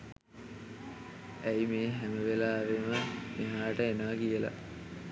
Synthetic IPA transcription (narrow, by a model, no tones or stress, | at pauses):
æjmeːɦæməʋelaːʋeməmiɦaːʈəenaːkijəla̰